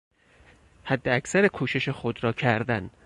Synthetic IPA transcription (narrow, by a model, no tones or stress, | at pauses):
hæd̪ːeæcsæɾekʰuːʃe̞ʃexod̪ɾɒːcʰæɾd̪æn